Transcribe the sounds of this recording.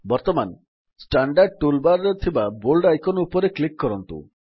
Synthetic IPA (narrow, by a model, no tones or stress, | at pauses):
bɔɾt̪ɔman | sʈaɳɖaɾɖ̚ʈulbaɾet̪ʰibabolɖajkɔnupɔɾeklikːɔɾɔnt̪ṵ